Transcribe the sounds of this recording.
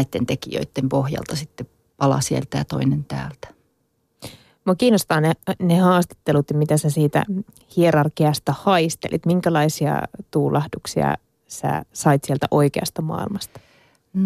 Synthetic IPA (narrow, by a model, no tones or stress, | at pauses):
it̪ːent̪ekḭjø̰it̪ːempohjɑ̰lt̪ɑsit̪ːe | pɑlɑ̰sielt̪æjɑt̪o̰inent̪æ̰ːlt̪æ̥ | mɑkiːnːost̪ɑːnenehɑːst̪e̥t̪ːelut̪jɑmit̪æsæsiːt̪æ̰ | hieɾɑrkiɑst̪æhɑist̪ḛlʔḭt̪miŋkælɑisiɑ̰t̪uːlɑhduksiɑ̰ | sæ̰sɑit̪sielt̪æʔo̞ikeɑst̪ɑmɑ̰ilmɑst̪ɑ̥